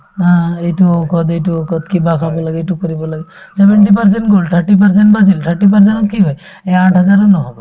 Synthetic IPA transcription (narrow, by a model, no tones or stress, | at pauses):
ɦãeʈuokʰɔd̪eʈuokɔd̪kibakʰabɔlaɡeʈukɔɾibɔlaɡe | sebeɳʈip̬əɾseɳʈɡolt̪ʰəɾʈip̬əɾseɳʈbasilt̪ʰəɾʈip̬əɾs̬enkiɦɔj | eaʈʰɦɔd͡ʒaɾɔnɔɦɔbɔ